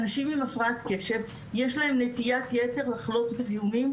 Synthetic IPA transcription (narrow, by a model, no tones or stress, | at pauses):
anaʃimimafʁaat̪ke̞ʃe̞v | jeʃlahe̞mnet̪ijat̪jete̞ʁlaχlo̞tbezihumim